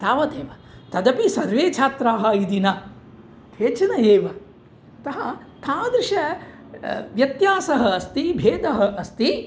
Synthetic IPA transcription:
t̪aːʋɐt̪eːʋɐ | t̪ɐd̪ɐpisɐɾʋeːt͡ʃʰaːt̪ɾaːɦɐ̆id̪inɐ | t̪ʰeːt͡ʃɐnɐeːʋɐ | t̪ɐɦɐ | t̪ʰaːd̪ɾɪʃɐ | ʋjɐt̪jaːsɐɦɐːst̪ibʱeːd̪ɐɦɐʔɐst̪i

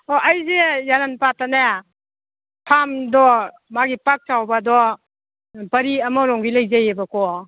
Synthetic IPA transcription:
ɔʔajzejananpatana | pʰamdɔ | maɡipak̚tawbadɔ | bɐɾiɐmɔɾɔŋɡilajzajebakɔ

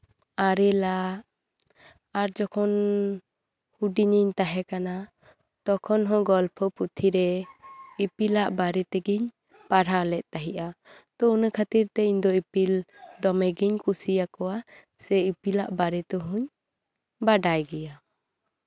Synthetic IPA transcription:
aɾɛlaʔ | aɾd͡ʒɔkʰɔn | huɖiɲiɲt̪aɦɛkana | t̪ɔkʰɔnɦɔ̃ɡɔlpʰɔput̪ʰiɾɛ | ipilaʔbaɾɛt̪ɛɡiɲ | paɽalɛʔ̚t̪aɦiʔat̪ɔunəkʰat̪iɾt̪ɛiɲd̪ɔipild̪ɔmɛɡiɲkusijakɔwa | sɛipilaʔbaɾɛt̪ɛɦuɲ | baɖajɡɛja

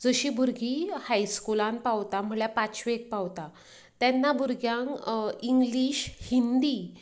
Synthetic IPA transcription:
d͡zəɕiːbuɾɡihajskulãnpaʋt̪am̤əɭjapat͡ɕʋeek̚pawt̪a | t̪ɛnːabuɾɡjãŋkiŋɡliːɕhind̪iː

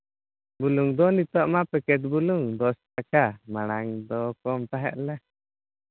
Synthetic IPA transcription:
buluŋd̪ɔnit̪ɔʔmapɛkɛt̪̚buluŋd̪ɔst̪akamaɽ̃aŋd̪ɔkɔmt̪aɦɛ̰ʔlɛ

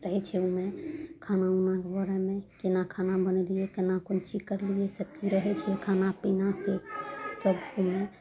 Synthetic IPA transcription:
ɾəɦɛt͡ʃʰɛumẽkʰanaunakebəɾamẽkenakʰanabəneliekenakont͡ʃikəɾliesəb̚kiɾəɦɛt͡ʃʰɛkʰanapinakesəbume

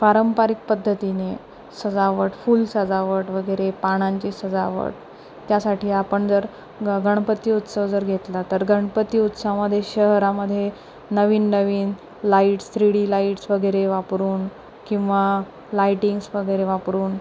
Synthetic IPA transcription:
paɾəmpaɾik̚pəd̪ʱːət̪ine | səd͡zaʋəʈfuːlsəd͡zaʋəʈʋəɡəɾepaɽ̃ãɲt͡ɕisəd͡zaʋə̰ʈ̚ | t̪jasaʈiːapəɳd͡zəɾ | ɡəɳ̃pət̪ːiːut̪səʋd͡zəɾɡʱet̪lat̪əɾɡʱəɳ̃pət̪iːut̪saməd̪ʱːjeɕəɦɾaməd̪ʱːje | nəʋiːnːəʋiːn | laiʈst̪ɾiɽiːlaiʈsʋəɡəjɾeʋapɾuːn | kĩw̃ʋa | lajʈiŋɡsʋəɡəjɾeʋapɾuːn

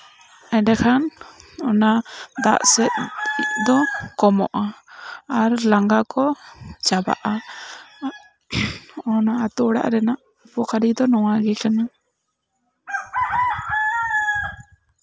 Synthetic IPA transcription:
ɛɖakʰanɔnad̪a̰ʔsɛt̪̚d̪ɔkɔmɔʔaaɾlaŋɡakɔt͡ʃaba̰ʔa | ɔnaat̪uɔɽa̰ʔɾɛnaʔ | pɔkʰaɾid̪ɔnɔwaɡɛkana

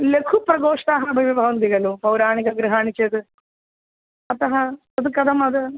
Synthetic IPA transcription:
lekʰupɾɐɡoːʂt̪aːɦɐbʱɐjʋɐbʱaːʋɐnd̪iɣɐlupɐwɾaːɳiɡɐɡɾɨɦaːɳit͡ʃed̪ɨ | ɐt̪ɐɦɐ | ɐd̪ɨkɐd̪ʱɐmɐd̪ɨ

